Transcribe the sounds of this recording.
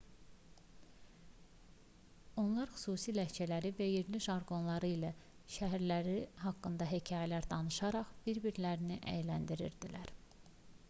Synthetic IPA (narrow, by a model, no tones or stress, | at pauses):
o̞nlˠɑɾxy̥suːsilæht͡ʃʰælæɾivæjeɾliʃɑɾɡo̞nlˠɑɾɯilæ | ʃæɦæɾlæɾiɦɑkːɯnd̪ɑɦecʰɑːjælæɾd̪ɑnɯʃɑɾɑχb̥iɾbiɾlæɾiniʔæ̰jelænd̪iɾḭɾd̪ilæɾ